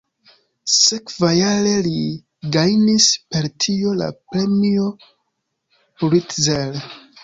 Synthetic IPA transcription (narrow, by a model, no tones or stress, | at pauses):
sekvajaɾe̞li | ɡajnispe̞ɾtʰio̞la̰pɾe̞mio | ɾitzel